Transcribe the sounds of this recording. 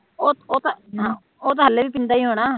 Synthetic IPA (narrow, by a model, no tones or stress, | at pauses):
oːoːt̪aɦãː | oːt̪ãɦəlːeːʋiːpɪnd̪aːiːɦoːɽ̃aː